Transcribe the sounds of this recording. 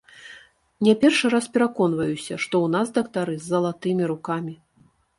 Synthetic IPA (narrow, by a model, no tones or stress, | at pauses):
nʲɛpʲɛrʂɨɾaspʲɛɾakɔn̪vɐjusʲɐ̰ʂt̪ɔwnazd̪ɐkt̪aɾɨzʲːɐlˠat̪ɨmʲiɾukamʲi